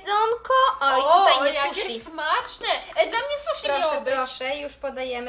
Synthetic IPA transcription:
zɔŋkɔɔj̪ajɲɛsjuimat͡ʂnɛd̪lamɲɛswuʃʲiɔɛbɾɔʂɛjuʂpɔd̪ajɛm

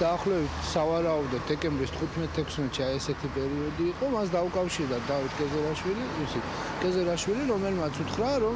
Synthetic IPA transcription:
d̪̥aːχlɛbit̪ʰsavaɾaɔbd̪ɔt̪̚d̪ɛkʼɛmbɾist̪ʰχut̪ʰmɛt̪ʰːɛkʰsmɛt̪ʃiajɛsɛt̪ʰipʼɛɾiɔd̪iːqʼɔmasd̪aukʼafʃiɾd̪ad̪avit̪̚ʰkʼɛzɛɾaʃwiliisʰit̪ʰ | kʼɛzɛɾaʃwiliɾɔmɛlmat̪sʰut̪ʰχɾaɾɔ

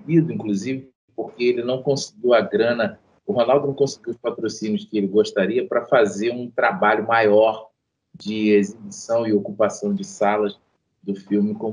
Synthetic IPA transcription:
id̪ʊĩkluzivɪ | poɾkeelɪnɐ̃w̃kõsi̥ɡiwɐɡɾɐ̃nɐ | ʊɦonawˠd̪ʊnɐ̃w̃kõsiɡiwʊspat̪ɾosĩnjʊskɪelɪɡoʃt̪aɾiɐpɾɐfazeɾũt̪ɾabaʎʊmajɔɾ | d͡ʒɪezibisɐ̃w̃ɪokupasɐ̃w̃d͡ʒɪsalɐz | d̪ʊfiwmɪkõm

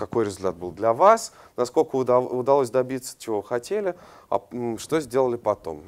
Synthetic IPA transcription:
kɐko̞jɾʲɪzʲʊlʲt̪at̪bɨlˠd̪lʲɐvasnɐsko̞lʲkəʊd̪ɐlˠos̬ʲd̪ɐbʲit̪sə̥t͡ɕɪvo̞vɨxɐtʲelʲɪɐ̰ʂt̪o̞zʲdʲe̞lˠəlʲɪpɐt̪o̞̰m

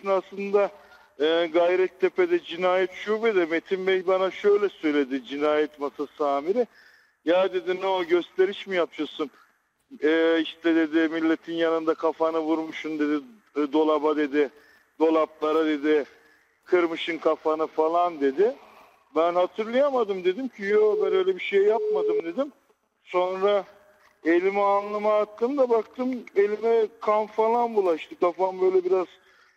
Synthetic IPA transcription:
inaslˠɯnd̪a | ɯːɡajɾɛt̪ʰːe̞pe̞d̪ɛd͡ʒinaːjɛt̪ʃubed̪ɛme̞t̪ʰimbɛjbanaʃø̞jlʲɛsø̞jlʲe̞d̪ɪd͡ʒinaːjɛt̪masasaːmiɾɪ | jaːd̪e̞d̪inoɟø̞st̪ʰe̞ɾiʃmijapjasun | ɛːiʃt̪ʰɛd̪e̞d̪ɪmilʲːe̞t̪ʰinjanɯnd̪akʰafanɯvuɾmuʃund̪e̞d̪i | d̪o̞lˠabad̪e̞d̪ɪ | d̪o̞lˠaplˠaɾad̪e̞d̪ɪ | kʰɯɾmɯʃɯnkʰafanɯfalˠand̪e̞d̪ɪ | bænhat̪ʰɯɾlˠɯjamad̪ɯmd̪e̞d̪imcʰijobænø̞jlʲɛbiʃe̞jːap̚mad̪ɯmd̪e̞d̪im | so̞nɾa | e̞lʲimɛanlˠamaːt̪ʰːɯmd̪abakt̪ʰɯme̞lʲimɛkʰanfalˠanbulˠaiʃt̪ʰɛkafanbø̞jlʲɛbiɾaz̥

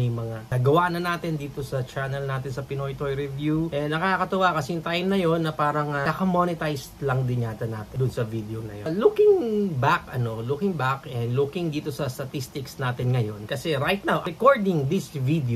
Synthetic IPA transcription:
ɪjmɐŋaaɡɐwaːnɐnaːt̪ɪnd̪iːt̪o̞sɐt͡ʃanɐlnaːt̪ɪnsɐpɪnojt̪ojɾɛvjuʔɛnɐkaːkɐt̪ɐwakɐsɛʊŋt̪ajmnɐjo̞nːɐpaːɾɐŋɐɐkɐmonɪt̪ajst̪lɐŋd̪ɪnɲaːt̪ɐna̰ːt̪ɪd̪ʊnsɐvid̪ɛonɐ̰jolukɪŋbakɐno̞lukɪŋbakɛnd̪lukɪŋd̪iːt̪o̞sɐst̪ɐt̪ist̪ɪksnaːt̪ɪnŋɐjo̞nkɐsɛɾajt̪̚nawɛkoɹd̪ɪŋd̪isvid̪

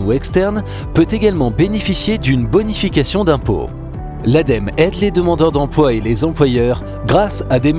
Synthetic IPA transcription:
uɛkst̪ɛʁn | pøt̪eɡalmɑ̃benefisjed̪ynbɔnifikasjɔ̃d̪ɛ̃po̰ | lad̪ɛmɛd̪led̪əmɑ̃d̪œʁd̪ɑ̃plwaelezɑ̃plwajœʁ | ɡʁasad̪em

